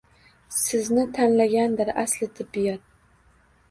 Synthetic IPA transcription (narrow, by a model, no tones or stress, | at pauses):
sɪznɪt̪ʰanlaɡʲand̪ɪɾaslɪt̪ʰɪbːijɒt̪̚